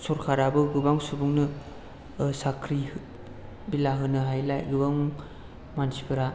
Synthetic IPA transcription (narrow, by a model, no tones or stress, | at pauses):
sɔɾkʰaɾabɯɡɯbaŋsubuŋnɯ | sakʰɾih | bilaɦɯnɯɦajlajɡɯbaŋ | mansipʰɯɾa